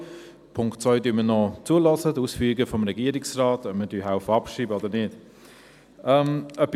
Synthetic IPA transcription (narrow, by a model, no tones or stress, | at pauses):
pʰʊŋktt͡svœʏdyːmənɔt͡suəlɔsəduːsfyːɡəfɔmɾɛɡiəɾɪksraːtɔbmədyːɦaʊfəɑpʃiːbəɔdəɾnɪt | ɛmœpː